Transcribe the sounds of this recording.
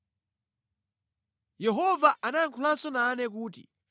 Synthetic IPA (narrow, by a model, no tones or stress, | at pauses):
jɛɦɔvaʔanajaŋkʰulansɔnanɛk̬uːt̬ḭ